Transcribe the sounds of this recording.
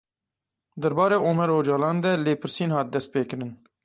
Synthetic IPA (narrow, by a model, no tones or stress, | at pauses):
d̪ɛɾbɑːɾeːʔoːmɛɾoːd͡ʒɑːlɑːnd̪ɛleːpʰɨɾsiːnhɑːt̪̚d̪ɛst̪̚peːkɨɾɨn